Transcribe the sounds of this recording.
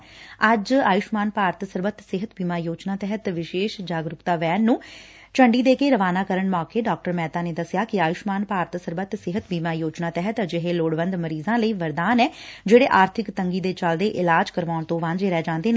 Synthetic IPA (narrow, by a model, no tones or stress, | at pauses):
əd͡ʒaːjʊʃmaːnpaːɾt̪səɾbət̪sɪɦət̪biːmaːjoːd͡ʒnaːt̪ɛɦət̪ʋɪʃeːʃd͡ʒaːɡɾʊkt̪aːʋɛːnːũː | t͡ʃəɳɖiːd̪eːkeːɾəʋaːnaːkəɾəɳmaːkeːɖaːk̚ʈəɾmɛːt̪aːneːd̪əsɪjaːkɪaːjʊʃmaːnpaːɾt̪səɾbət̪sɪɦət̪biːmaːjoːd͡ʒnaːt̪ɛɦət̪d͡ʒɪɦeːloːɽʋə̃nd̪məɾiːzãːləiːʋəɾd̪aːnɛːd͡ʒeːɽeːʔaːɾt̪ʰɪkt̪əŋɡiːd̪eːt͡ʃəld̪eːʔɪlaːd͡ʒkəɾʋaːɳt̪õːʋãnd͡ʒeːɾɛːd͡ʒãːnd̪eːnː